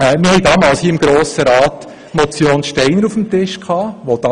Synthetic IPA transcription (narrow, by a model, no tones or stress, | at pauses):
ɛmɪhɛɪdɑːmɑːlshiːəɪmɡɾoːsəɾɑːt | mɔt͡sjoːnʃtɛɪnəɾufəmtɪʃkʰɑːʋod̥ɑ